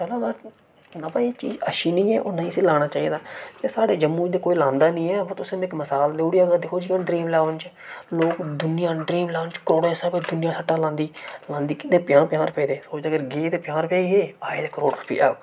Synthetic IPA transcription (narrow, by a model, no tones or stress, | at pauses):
kəlaːɡaːɾ | nəbaːiːt͡ʃḭːzə̰ʃiːnĩːɛːʔoːnaːĩːsĩːlaːɽ̃aːt͡ʃaːiːd̪aːt̪eːsaːɖeːd͡ʒəmːuːd͡ʒd̪eːkoːiːlãːnd̪aːnĩːɛːpət̪ʊsẽːnɪkməsaːld̪eːuːɽiaːɡad̪ɪkʰoːd͡ʒiːkənɖɾiːmlaːʋnt͡ʃ | loːkd̪ʊnɪjãːɖɾiːmlaːnt͡ʃkɾoːɽeːsaːbed̪ʊnɪjãːsəʈːaːlãːnd̪iːlãːnd̪iːkɪnːẽːpɪjãːpjaːɾpeːd̪eːsoːt͡ʃd̪eːɡəɾɡeːt̪eːpjãːɾpjaːiːɦeːaːeːt̪eːkəɾoːɽɾʊpːḭːa̰ːo